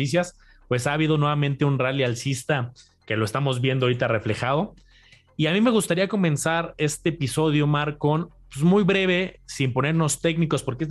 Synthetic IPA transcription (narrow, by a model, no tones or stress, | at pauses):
is̬jas | pwe̞saːβið̞o̞nwe̞βamẽnt̪eunralialsist̪a | ke̞lo̞e̞st̪amo̞zβje̞nd̪ooɾit̪are̞fle̞xað̞o̞ | iamime̞ɣ̞ust̪aɾiako̞mẽ̞nsaɾe̞st̪eːpiso̞ðjo̞maɾkon | pwezmujβɾe̞β̞e̞simpo̞ne̞ɾno̞st̪e̞kniko̞spoɾkee